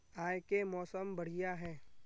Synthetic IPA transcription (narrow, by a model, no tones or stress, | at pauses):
aːjkemɔːsəmbɐɽ̤ijaɦɛː